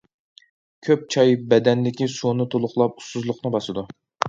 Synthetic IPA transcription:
kʲʰøp̚t͡ʃʰɑjbɛd̪ɛnlɪkʲisunɨt̪ʰolˠʊχlˠɑp̚u̥suzlˠʊqnɨbɑsɨd̪u

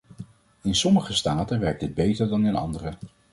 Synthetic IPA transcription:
ɪnsɔməχəstaːtənʋɛɹk̚d̥ɪd̚bejtəɹdɑnɪnɑ̰ndərə

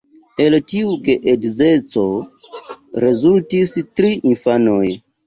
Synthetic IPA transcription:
e̞ltiuɡeʔedzet͡so̞ | ɾe̞zultistɾiʔinfanoj

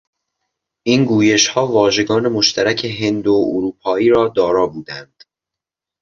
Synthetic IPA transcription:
ʔiːnɡuːjeʃhɒːvɒːʒe̞ɡɒːne̞moʃt̪ʰæɾæcʰe̞ɦe̞nd̪ooɾuːpʰɒːiːɾɒːd̪ɒːɾɒːbuːd̪ænd̪̥

